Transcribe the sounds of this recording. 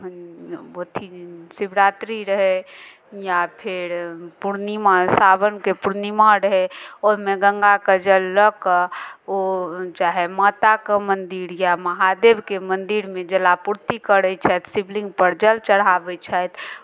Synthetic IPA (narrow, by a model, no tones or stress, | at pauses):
ot̪ʰisibɾaːt̪ɾiɾəɦe | japʰɪɾpuɾnimasaːbənkepuɾnimaɾəɦeɔːɾmɛɡəŋɡakəd͡ʒəlːək | ot͡ʃaɦɛmat̪akamənd̪iɾjaməɦad̪ebkemənd̪iɾmẽd͡ʒəlapuɾt̪ikəɾət͡ʃʰɛt̪siblĩŋɡpəɾd͡ʒəlt͡ʃəɽ̤ɦabɛt͡ʃʰɛt̪